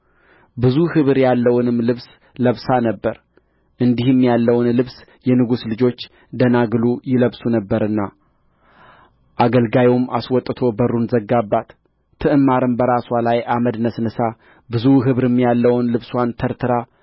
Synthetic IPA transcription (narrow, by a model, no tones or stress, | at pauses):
bɨzuhɨβɾjalːəwʊnɨmlɨβs | ləβsanəbːəɾ | ʔɨnd̪ihɨmːjalːəwnlɨβsjɛnɨɡuslɨd͡ʒo̞t͡ʃː | d̪ənaɡlujɪləβsunəbːəɾɨnːa | ʔaɡəlɡajewmaswɔt̪ʼːɨt̪ʰo̞bərːunzəɡːabːat̪ʰː | ɨʔɨmːaɾɨmbəɾaswalajʔaməd̪nəsnɨsa | bɨzuɦɨβɾɨmːjalːəwnlɨβswant̪ʰəɾt̪ʰɨɾa